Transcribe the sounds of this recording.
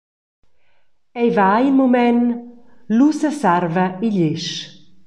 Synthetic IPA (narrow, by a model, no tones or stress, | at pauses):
ɛjvajmomɛn | lusəsarvɐiʎɪʃ